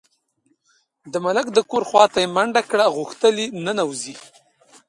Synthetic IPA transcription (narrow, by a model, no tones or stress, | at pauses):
d̪əmalakd̪əkoɾxwɑt̪ajemaɳɖakɽaɣʊxt̪əlinənawzi